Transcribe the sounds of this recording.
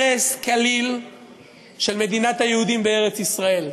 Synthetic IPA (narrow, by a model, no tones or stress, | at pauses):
eskalil | ʃe̞lme̞d̪inat̪hajehudimbeeʁet͡sisʁae̞l